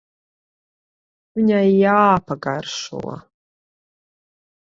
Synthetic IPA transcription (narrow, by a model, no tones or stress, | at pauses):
viɲajjaːpaɡarʃṵla̰